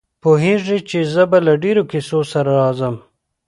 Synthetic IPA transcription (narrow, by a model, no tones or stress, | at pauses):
poɦeʐit͡ʃezəbalaɖeɾokɪsosaɾaɾɑzəm